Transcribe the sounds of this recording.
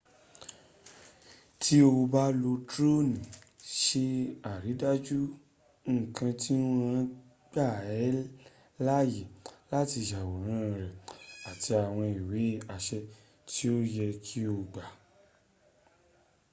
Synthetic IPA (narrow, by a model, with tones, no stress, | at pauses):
tʰi˦o˧ba˦lo˧tɾo˦nĩ˨ʃe˧a˨ɾi˨˦da˦d͡ʒu˦ | ŋ̩˦˨kã˧ti˦nũ˦ɾ̃ã˦ | ɡ͡ba˦˨ɛ˨˦ | la˦je˨la˦ti˧˨ʃa˨wo˨ɾ̃ã˨˦˧ɾɛ˨a˨tʰi˧a˨w̃ɔ̃˧i˨we˨˦a˧ʃɛ˧ | tʰi˦o˦jɛ˧kʰi˦o˧ɡ͡ba˨